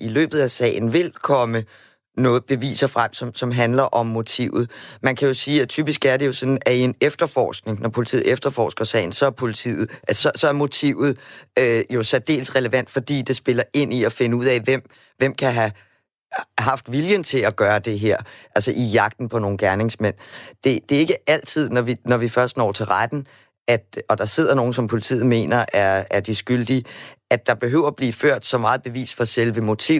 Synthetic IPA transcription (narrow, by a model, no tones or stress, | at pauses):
ilø̰ːb̥ð̞̩ˠæsɛ̰ːɪn̩ʋe̝lkʰɒ̽mə | nɔ̽ːð̩ˠb̥e̝ʋḭːsɐfʁam̰sɒ̽msɒ̽mɦænlɐʔɒ̽mːo̝t͡sʰiʊð̞̩ˠmænkʰæjo̝siːæt͡sʰyb̥isɡ̥æɐɾe̝jo̝sɒ̥̽n̩æie̝nefd̥ɐfɒ̰ːsɡ̥ne̝ŋnʔɒpʰo̝lit͡sʰḭːð̰̩ˠefd̥ɐfɒ̰ːsɡ̥ɐsɛ̰ɪn̩sɒ̽æɐpʰo̝lit͡sʰḭːð̩ˠʔæsɒ̽sɒ̽æɐmo̝t͡sʰiʊ̰ð̩ˠøjo̝sæd̥e̝̰ːlsʁɛləʋæn̰d̥fɒ̽d̥ḭːd̥e̝sb̥e̝lɐe̝n̰iɒfe̝nəuð̰ˠɛʋem̰ | ʋem̰kʰæɦæ | ɦɑ̈fd̥ʋiljənt͡sʰe̝læɡ̥ɶːɐd̥e̝ɦeɐ̰ʔælsəʔijɑ̈ɡ̥̚d̥n̩pʰɒ̽no̝ːn̩ɡ̥æɐne̝ŋsmen̰d̥e̝d̥e̝e̝ɡ̥əæl̰t͡sʰið̰ˠnɒʋinɒʋifɶɐsd̥nɒ̰ːt͡sʰe̝lʁad̥n̩ | æd̥ɒ̽d̥ɑ̈se̝ð̰ˠɐno̝ːn̩sɒ̽mpʰo̝lit͡sʰḭːð̞̩ˠme̝̰ːnɐʔæɐæɐd̥isɡ̥yld̥iæd̥ɑ̈b̥e̝ɦøʊ̰ɐb̥liːføɐ̰d̥sɒ̽mɑ̈ːð̞̩ˠb̥e̝ʋḭːsfɒ̽selʋəmo̝t͡sʰiʊ̰